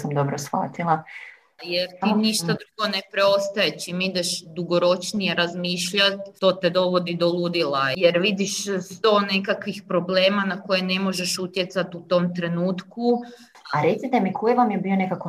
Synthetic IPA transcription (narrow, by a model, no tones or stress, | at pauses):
samd̪o̞bɾosxa̰ːt̪ilˠa | jeɾt̪iniʃt̪ad̪ɾuɡo̞ne̞pɾe̞o̞st̪ajet͡ʃimid̪eʃd̪uɡo̞ɾo̞t͡ʃnijeɾazmiːʃʎat̪t̪o̞ːt̪e̞d̪o̞ʋod̪id̪o̞lˠud̪ilˠajeɾʋid̪iʃst̪o̞ːne̞kakʋixpɾo̞ble̞ːmanako̞jene̞mo̞ʒe̞ʃut̪je̞t̪sat̪ut̪o̞mt̪ɾe̞nuːt̪ku | aɾe̞t̪sit̪emikʰojeʋamjebio̞ne̞kako